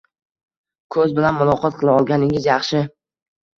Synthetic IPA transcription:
kʰɵzbɪlanmʊlˠɒqʰɒt̪̚qʰɨlˠaɒlˠɡʲanɪŋɪzjɑχʃɪ

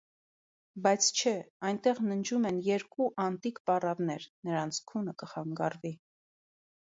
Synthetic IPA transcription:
bɑjt͡sʰt͡ʃʰɛɑjnt̪ɛʁnənd͡ʒumɛnjɛɾkuʔɑnt̪ikpɑrɑvnɛɾnəɾɑnt͡sʰkʰunəkəχɑŋɡɑrvi

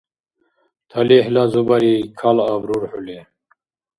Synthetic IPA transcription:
t̪ʰɐlehlazubaɾikʰalabɾuɾħule

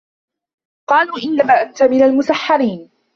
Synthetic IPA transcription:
qɑːluːʔɪnːamaːʔant̪amɪnalmʊsaħːɑɾiːn

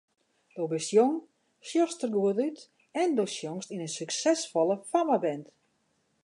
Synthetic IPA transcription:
d̥obɪsjoŋ | sjɔstərɡuətyt | ɛndoːsjoŋstinənsyksɛsfɔləfamabɛnt

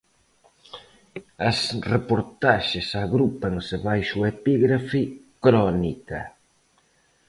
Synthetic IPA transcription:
ɐsrepoɾt̪aʃɪsaɣɾupɐŋsɪβajʃuepiɣɾafi | kɾɔnikɐ̰

